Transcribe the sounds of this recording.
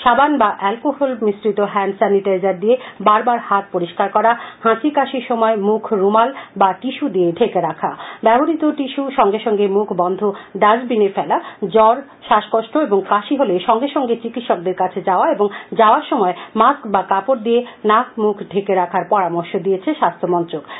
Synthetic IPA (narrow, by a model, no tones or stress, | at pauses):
ʃabanbaʔɛlkoɦolmisɾit̪oɦɛnsɛniʈaizaɾd̪iebaɾbaɾhat̪̚poɾiʃkaɾkɔɾahãsikaʃiɾʃɔmɔemukʰɾumalbaʈiʃud̪ieɖʱekeɾakʰabɛboɾit̪oʈiʃuʃɔŋɡeʃɔŋɡemukʰbɔnd̪ʱoɖad͡ʑbineɾfɛlad͡ʑɔɾ | ʃaʃkoʃʈoeboŋkaʃiɦoleʃɔŋɡeʃɔŋɡet͡ɕikit̪ʃɔk̚d̪eɾkat͡ɕʰed͡ʑaoaeboŋd͡ʑaoaɾʃɔmɔemaskbakapoɾd̪ienak̚mukʰɖʱekeɾakʰaɾpɔɾamoɾʃod̪ijet͡ɕʰeʃast̪ʰomɔnt̪ɾok